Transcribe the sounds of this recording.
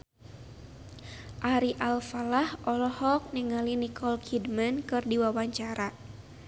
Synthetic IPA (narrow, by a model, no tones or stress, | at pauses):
ʔaɾiʔalfalahʔɔlɔhɔk̚nəŋalinikʰɔlkʰidmənkɨrdiwawaɲt͡ʃaɾa